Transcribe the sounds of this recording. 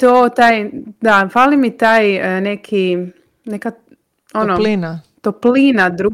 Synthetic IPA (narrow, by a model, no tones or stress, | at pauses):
t̪oːt̪aːjd̪afalimit̪aːjnekʰi | neka | onolina | t̪oplinad̪ɾu